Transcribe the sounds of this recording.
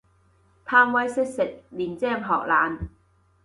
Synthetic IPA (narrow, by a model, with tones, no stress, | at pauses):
p̪ʰaː˧ŋwɐ˨˥jsɪ˥k̚sɪ˨˩k̚liː˨˩nt͡sɛː˥˩mɦɔː˨k̚laː˨n